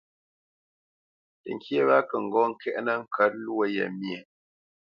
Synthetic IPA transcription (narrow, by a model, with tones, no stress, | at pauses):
tə̰˨ŋ˨kʰjə˦ɾa˦kə˨ŋ̩˨ɡɔ˦ŋ̩˨kʰɛ˦ʔna˦ŋ̩˦kʰa˨˦t̚lu˦ə˦jə̰˨mje˨